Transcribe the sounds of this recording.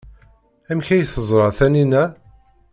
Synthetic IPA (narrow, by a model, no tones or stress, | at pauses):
æmçæjθəzˤɾˤɑθæninæ